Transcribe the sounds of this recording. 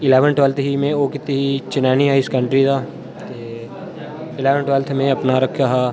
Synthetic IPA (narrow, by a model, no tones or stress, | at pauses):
ɪleːʋənʈeːlt̪ʰɦimẽoːkɪt̪iɦit͡ʃɪnaːniaːɪskɐ̃ɳʈɾid̪aː | t̪e | ɪleːʋənʈʋeːlt̪ʰmẽɐpnaɾɐkʰjaɦaː